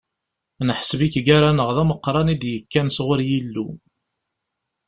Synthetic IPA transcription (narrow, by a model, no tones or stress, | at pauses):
nəħsvikɡaɾanəʁðæməqːɾˤɑnid̪jəkːænsʁʊɾjilːu